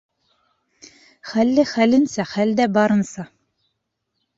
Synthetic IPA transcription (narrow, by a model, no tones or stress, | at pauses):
χælːɘχælɘ̆nsæχæld̪æbɑɾɤ̆nsɑ